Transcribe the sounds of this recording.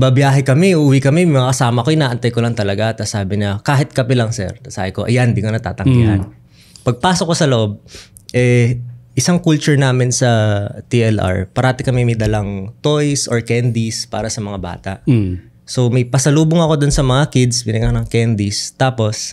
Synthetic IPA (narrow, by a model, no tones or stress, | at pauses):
bɐbjaːɦɛkɐmɛʔuːwikɐmɛmŋɐakɐsaːmɐkojɪnaːʔɐnt̪ajkolɐŋt̪ɐlɐɡat̪ɐsaːbɪɲɐkaːɦɪt̪̚kɐpɛlɐŋsɛ̰ɹt̪ɐsa̰ːhɪko̞ʔɐjand̪iːkonɐt̪a̰ːt̪ɐŋɡḭhɐ̰n | pɐɡ̚paːsokːosɐloʔo̞b̚ | ʔɛʔɪsaŋkult͡ʃʊɹnaːmɪnsɐt̪iʔɛlʔa̰ɹpɐɾaːt̪ɪkɐmɛmɐjd̪ɐlaŋt̪ojsʔoɹkɛnd̪ispa̰ːɾɐsɐmɐŋaba̰ːt̪ɐʔ | so̞mɐjpɐsɐluːboŋɐko̞d̪onsɐmɐŋakɪd̪sbɪnɪɡɐknɐŋkɛnd̪ist̪aːpo̞s